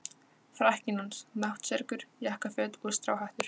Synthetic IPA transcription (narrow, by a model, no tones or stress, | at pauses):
fɾahcɪnansnaht̪sɛɾkʏɾ̥jahkafœːt̪ɔðst̪ɾaːwhajht̪ʏɾ̥